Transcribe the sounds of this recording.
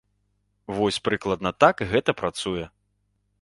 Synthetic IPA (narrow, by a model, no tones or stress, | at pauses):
vɔsʲpɾɨklˠɐd̪nɐt̪akɣɛt̪ɐpɾat̪sujɛ